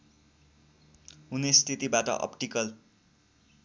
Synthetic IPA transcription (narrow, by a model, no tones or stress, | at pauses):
ɦunest̪ʰit̪ibaʈʌ̰ʔʌ̰pʈikʌl